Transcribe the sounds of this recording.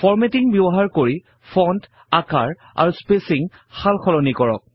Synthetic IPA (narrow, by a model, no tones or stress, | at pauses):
fɔɹmetiŋbɔbɔɦaɹkoɹi | fʰɔnt | aka̰ɹ | a̰ɹuspesiŋ | xalxɔlɔnikɔɹɔ̰k̚